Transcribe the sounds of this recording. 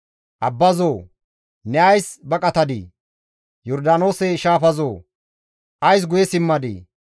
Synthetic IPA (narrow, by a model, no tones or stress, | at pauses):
ʔɐbːɐzoː | nɛɐjsbɐkʼɐt̪ɐd̪ḭː | jɔɾd̪aːno̞ːseʃaːfɐzoː | ʔɐjs̬ɡʊjɛsɪmːɐd̪ḭː